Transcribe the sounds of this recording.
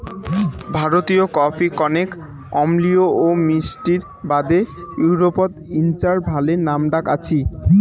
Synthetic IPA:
bʱaɾot̪iokɔpʰikɔnek | ɔmlioomisʈiɾ | bad̪ejuɾopod̪int͡ɕaɾbʱalenamɖakat͡ɕʰi

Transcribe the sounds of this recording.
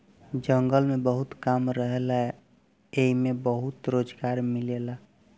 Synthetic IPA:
d͡ʒəŋɡəlmẽbəɦut̪kamɾəɦelaɛ | eimẽbəɦut̪ɾoːd͡ʒɡaːɾmilela

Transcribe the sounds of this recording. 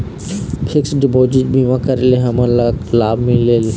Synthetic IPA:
pʰɪksɖibod͡ʒid͡ʒbimakəɾeleɦɐmə̃llaːbmĩlel

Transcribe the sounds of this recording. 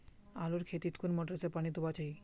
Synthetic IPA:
aloɾkʰet̪it̪kʰunmɔʈɾesepanit̪ubat͡ɕaj

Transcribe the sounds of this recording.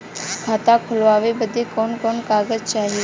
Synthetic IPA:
kʰaːt̪akʰʊlʋaːʋebəd̪ʱekɔːnkɔːnkaːɡəd͡ʒt͡ʃaːɦe

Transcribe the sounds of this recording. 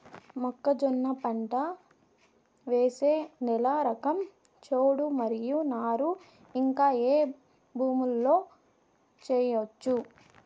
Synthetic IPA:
mɔkːɐd͡ʒɔnːɐpɐɳʈɐ | ʋeːseːnɛlaːɾɐkɐm | t͡ʃoːɽumɐɾijunaːɾu | iŋkaːeː | bʱuːmulːo̞ː | t͡ʃɛːjot͡ʃːu

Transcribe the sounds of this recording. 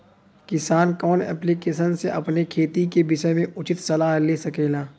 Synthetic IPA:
kɪsaːnkɔːnɛ̰ːplikeːʃənseʔɐpnekʰeːt̪ikebɪʃəmẽʔʊt͡ʃɪt̪sɐlaːɦleːsɐkeːlaː

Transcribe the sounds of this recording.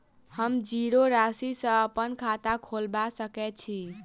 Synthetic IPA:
həmd͡ʒiɾoɾasisə̃əpənkʰat̪akʰolbasəkɛt̪̚t͡ʃʰi

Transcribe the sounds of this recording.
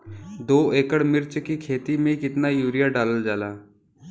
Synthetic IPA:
d̪oːeːkəɽmɪɾt͡ʃkikʰeːt̪imẽkɪt̪najuːɾijaɖaːləld͡ʒaːlaː

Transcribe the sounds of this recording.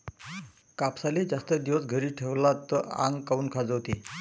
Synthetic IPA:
kapsalid͡zast̪əd̪iʋəsɡʱəɾiːʈʰeʋlat̪ːəa̰ŋɡkauːnkʰad͡zəʋt̪iː

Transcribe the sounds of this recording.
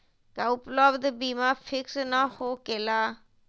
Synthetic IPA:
kaːʊpləbd̪biːmaːpʰɪksnaːhoːkelaː

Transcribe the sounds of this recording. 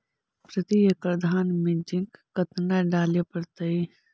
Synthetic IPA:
pɾɐt̪ijekɾɐd̪ʱaːnmẽd͡ʒɪ̃ŋkkɐt̪naɖaːlepɐɾt̪ɐi

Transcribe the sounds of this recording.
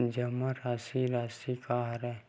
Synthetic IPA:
d͡ʒəməɾaːsiɾaːsikaɦɾɛ

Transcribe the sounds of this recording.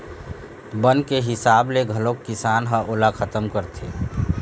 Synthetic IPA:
bənkeɦɪsaːbleɡʱəlokːɪsaːnɦaʔoːlakʰət̪əmkəɾt̪ʰeː

